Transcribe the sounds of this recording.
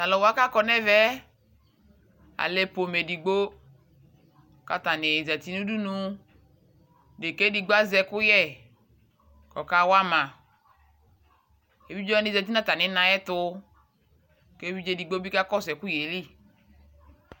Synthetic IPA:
la˨lɔ˨wa˦ka˦kɔ˨nɛ˦vɛ˦ | a̰˨le˨po˨me˨di˨ɡ͡bo˦ | ka˦t̪a˨nɪ˨zɛ˨t̪i˦nũ˦du˦nũ˧ | de˨ke˦di˨ɡ͡ba˦zɛ˨kʊ˦jɛ˦˨ | kɔ˨ka˦wa˦mã˨ | e˨vi˦d͡ʒɔ˦ɛ˦nɪ˨zɛ˨t̪̬i˦nã˦t̪a˨nɪ˨˦nã˨jɛ˦t̪ʊ˦ | ke˦vi˦d͡ʒe˦di˨ɡ͡bo˦bi˦ka˦kɔ˦sɛ˨ku˦je˨li˦

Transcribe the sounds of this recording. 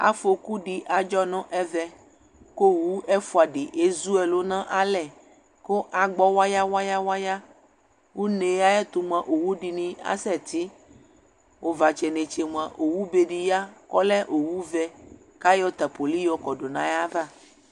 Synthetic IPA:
a̰˦fo˨ku˦ɖi˦ʔa˨d͡ʒɔ˦nɔ̃˦ʔɛ˦vɛ˦ | ko˦wu˦ɛ˦fu˦a˨ɖi˨ʔe˦zu˦ɛ˨lo˦nã˦ʔa˦lɛ˨ | ko˦ʔa˨ɡ͡bɔ˦wa˦ja˦wa˦ja˦wa˦ja˦ | wo˦nẽ˨ja˦jɛ˦t̪u˨m˦ã˨ʔo˨wu˦ɖi˨nĩ˦a̰˦sɛ˦˨t̪i˦ | ʔo˦va˨t͡ʃɛ˨ne˨t͡ʃe˨m˨ã˨ʔo˨wu˦be˨ɖi˨ja˦kɔ˦lɛ˦ʔo˨wu˦vɛ˦ | ka˦jɔ˦t̪a˨po˨li˦jɔ˦kɔ˨ɖo˨nã˨ja˦va˦

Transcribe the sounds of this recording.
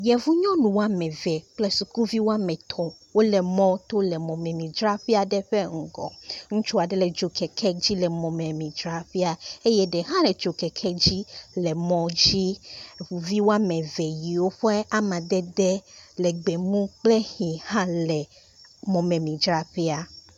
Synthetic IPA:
jɛ˨vu˦ɲɔ̃˦nũ˨wo˦a˦mɛ̃˨vɛ˨k͡plɛ˦su˨ku˦vi˦wo˦a˦mɛ̃˨t̪ʰɔ˨wo˦lɛ˨mɔ̃˦t̪o˦lɛ˨mɔ̃˨mɛ̃˨mĩ˨d͡ʒɾa˦ɸe˦a˨ɖɛ˦ɸɛ˦ŋ̩˨ɡɔ̰̃˨ŋũ˦t͡ʃu˦a˨ɖɛ˦lɛ˨d͡ʒo˨kʰɛ˨kʰɛ˦d͡ʑi˦lɛ˨mɔ̃˨mɛ̃˨mĩ˨d͡ʒɾa˦ɸe˦a˨e˦jɛ˦ɖɛ˨ɦã˦lɛ˨d͡ʒo˨kɛ˨kʰɛ˦d͡ʑi˦lɛ˨mɔ̃˦d͡ʑi˦˨ | vi˦wo˦a˦mɛ̃˨vɛ˨ji˨wo˦ɸe˦a˦mã˨d̪ɛ˦d̪ɛ˦lɛ˨ɡ͡be˨mũ˦k͡ple˦hĩ˨hã˦lɛ˨ | mɔ̃˨mɛ̃˨mĩ˨d͡ʒɾa˦ɸɛ˦a˨

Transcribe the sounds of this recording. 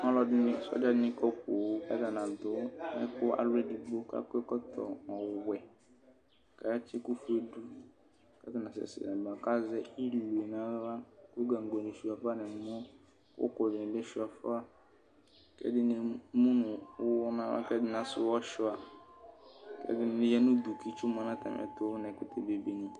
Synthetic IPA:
ɔ˦lɔ˦dɪ˦nɪ̃˦sɔ̰˦d͡ʒa˦dɪ˦nĩ˦kɔ˦po˨wo˦a̰˦da˨nã˨d̪ʊ˨˦ɛ˦kʊ˦a̰˨lʊ˦e˦di˨bo˦ka̰˦ke˦kɔ˦t̪ʰɔ̰˨ɔ˨wɛ˨ | ka˨ja˦t͡ʃɪ˦ku˦fu˦e˦du˦ | ka˦t̪ɔ˦nã˨sɛ̰˨sɪ̰˨nɛ˨ba˨ka˦zɛ˦i˦lu˨e˨nã˦ɾa˦kʊ˦ɡã˨ŋ˨ɡo˨nɪ˨ʃu˨a˨fa˦nɪ̃˨m˨˦mɔ̃˦ | ʊ̰˦kʊ˨lɪ˨lɛ˦ʃu˨a˨fa˦ | kɛ̰˦dɪ˦nɪ̃˨˦mũ˦nʊ̃˨wʊ˦wɔ˦nã˦a̰˦kɛ˦dɪ˦nã˨sʊ˦wɔ˦ʃʊ˦a˨ | kɛ̰˦dɪ˦n˦nɪ̃˨jɛ˦nʊ̃˦du˨kʰi˦t͡ʃu˦m˨ã˨nã˦tʰa̰˨mʔɛ̰˨tʊ˦nɛ̃˨kʊ˦tʰɛ˨be˨be˨nĩ˦

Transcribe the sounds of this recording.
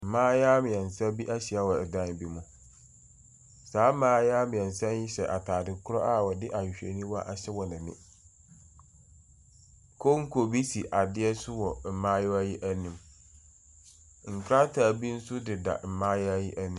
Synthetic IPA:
m̩˨mãː˦jaː˦mɪ̃˨ɛ̃˨n˨sã˦bi˦ʔa˦ɕi˨a˦wɔ˨ɛ˨dã˦n˨bi˦mũ˦ | saː˨˦mãː˦jaː˦mɪ̃˨ɛ̃˨n˨sã˦nji˦sɛ˨ʔa˨tʰaː˨dɪ˨kʰʊ˦ɾɔ˦ʔa˦˨wɔ˨dɪ˦ʔa˨ɕᶣḛ˨nĩ˦wʔa˨ɕɛ˦wɔ˨nã˨nɪ̰̃˦ | kʰo˦ŋ̩˦kʰo˨bi˦si˨ʔa˨dɪ˦ɛ˦sʊ˦wɔ˨m̩˨mãː˦jɔ˦a˦ji˦ʔæ˦nĩ˨m | ŋ̩˨kʰɾa˦tʰaː˨bi˦n̩˦sʊ˦dɪ˨da̰˨m̩˨mãː˦ja˦ji˦ʔa˦nĩ˦

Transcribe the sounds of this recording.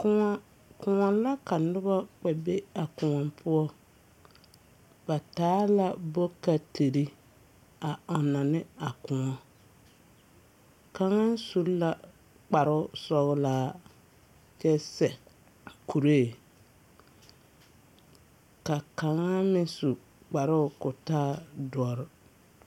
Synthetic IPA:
kʊ˦ŋa˦ | kʊ˨ŋɔ˨la˦ka˨nʊ˦bɔ˦k͡pɛ˨be˦a˨kʊ˨ŋɔ˨mpʰʊ˦ɔ˦ | ba˨taː˨˦la˦bo˦ka˨tʰe˨ɾi˦ | a˨ɔ˨na˨nɪ˦a˨kʊ̃˨ŋɔ˨ | ka˨ŋa˦n˦su˦la˨ | k͡pa˨ɾɪ˦ʊ˦sɔ˦ɣlaː˦˨˦ | kɛ˦sɛ˨ | kʰu˨ɾe˦˨ | ka˨ka˨ŋa˦mɪ˦su˨ | k͡pa˨ɾʊ˦ʊ˦kʊ˨taː˦dɔ˨ɾɪ˦

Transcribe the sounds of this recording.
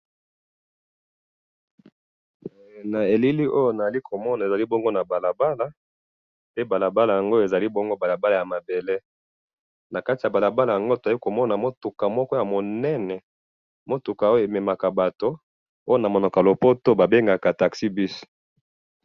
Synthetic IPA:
na˨e˨li˦li˦ʔo˦jo˦˨na˨a˨li˦kʰo˨mɔ˦na˨e˨za˨li˦bo˦ŋɡo˦na˨ba˨la˨ba˦la˦ | pe˦ba˨la˨ba˦la˨ja˨ŋɡo˦je˨za˨li˦bo˦ŋɡo˦ba˨la˨ba˦la˨ja˨ma˨be˨le˦ | na˨ka˦ti˨ja˨ba˨la˨ba˦la˨ja˨ŋɡo˦to˨za˨li˦ko˨mɔ˦na˨mo˦tu˨ka˨mɔ˦kɔ˦ja˨mo˨nɛ˦nɛ˨ | mo˦tu˨ka˨o˦jo˦˨e˨me˨ma˨ka˨ba˨to˦ | o˦jo˦na˨mo˨nɔ˨ka˨lo˨po˦to˦ba˨be˦ŋɡa˨ka˨ta˨ksi˦bi˦s

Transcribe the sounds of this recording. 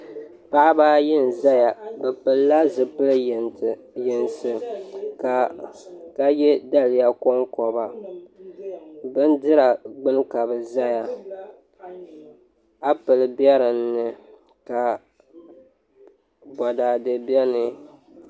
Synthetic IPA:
pa˦ʔa˦ba˦jɪ˦n˨za˦ja˨bɛ˨pɨ˨lːa˦zɨ˨pɨ˦ln˨ | jɛ˨nsɨ˨ka˨ | ka˦jɛ˦da˦lɪ˨˦ja˦kɔ˦ŋkɔ˨ba˨ | bɨ˦ndɨ˦ɾa˨ɡ͡bɨ˦n˦ka˨bɨ˨za˦ja˨ | a˦pɨ˨lɨ˦bjɛ˦ɾɨ˨nːɨ˨ | ka˨ | bɔ˨daː˨dɨ˨bjɛ˦nɨ˨

